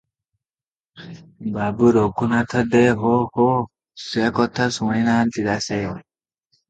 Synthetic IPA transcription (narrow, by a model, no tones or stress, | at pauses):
babuɾokːunat̪ʰəd̪eɦoho | sekɔt̪ʰːasuwãjnant̪id̪ase